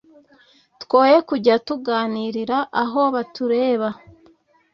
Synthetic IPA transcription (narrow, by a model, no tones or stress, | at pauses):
two̞ːje̞kuɟatuɡaːniɾiɾaʔaɦo̞βatuɾe̞ːβa